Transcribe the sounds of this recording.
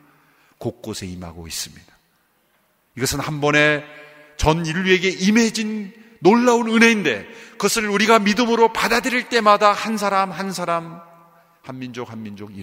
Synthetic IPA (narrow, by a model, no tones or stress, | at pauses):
kok̚k͈osʰe̞ima̰ɡo̰ḭs͈ɯmɲid̥ḁ | iɡʌsʰɯnhambʌne̞ | t͡ɕʌniʎːue̞ɡe̞ʔime̞d͡ʑinː | oɭːaunɯnɦe̞inde̞̰kɯʌsʰɯɭuɾiɡamidɯmɯɾopadadɯɾiɭt͈e̞madahans̬ʰaɾamhansʰaɾam | hanmind͡ʑok̚hanmind͡ʑoɡi